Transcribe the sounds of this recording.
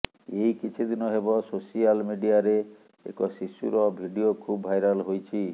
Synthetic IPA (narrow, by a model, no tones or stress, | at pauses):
ejkit͡ʃʰid̪inɔɦebɔsosialmiɖiaɾe | ḛkɔsisṵɾɔbʱiɖiokʰubbʱajɾalɦojt͡ʃʰi